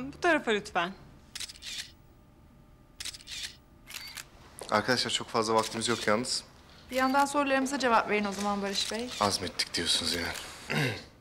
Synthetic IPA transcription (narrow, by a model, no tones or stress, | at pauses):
but̪ʰaɾafalyt̪ʰvæn | a̰ɾkʰad̪aʃlˠaɾt͡ʃʰo̞kfazlˠavak̚t̪ʰimizjo̞kʰjaːnɯz̥ | b̥ijand̪anso̞ɾlˠaɾɯmɯzad͡ʒe̞vapve̞ɾino̞zamanbaɾɯʃbɛjazmɛt̪ʰːi̥c̚d̪ijo̞sunuzja